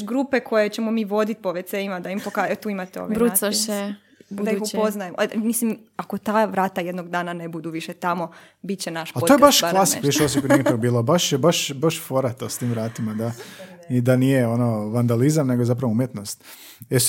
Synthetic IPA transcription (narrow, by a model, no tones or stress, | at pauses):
ɡɾupeko̞jet͡ɕemomiːʋo̞d̪it̪̚poʋet̪seɲimad̪aimpokaːt̪uːimat̪eoʋeɾuaae | d̪aixupoznajemmislimako̞t̪aːʋɾaːt̪ajed̪noɡd̪aːnanebud̪uʋiʃet̪amo̞ | bit̪̚t͡ɕenaʃpatoojebaʃklˠasi̥iʃos̬ikonit̪okbiːlˠobaʃjebaʃbaʃfoɾat̪ost̪iːmʋɾaːt̪imad̪aid̪anijeonoʋand̪alizamne̞ɡozapɾaʋoumjet̪no̞st̪ | ɛ